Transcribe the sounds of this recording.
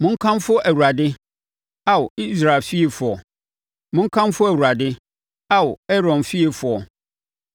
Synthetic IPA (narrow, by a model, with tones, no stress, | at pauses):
mʊ̃˦ŋ̩˦kʰã˦mfʊ˦ʔæ˨wu˨ɾa˨dɪ˦ | a˦wʊ˨i˦sɾa˨lfi˦e˨fʊ˨ɔ˨ | mʊ̃˦ŋ̩˦kʰã˦mfʊ˦æ˨wu˨ɾa˨dɪ˦ | a˦wʊ˨ɛ˦ɾɔ̃˨nfi˦e˨fʊ˨ɔ˨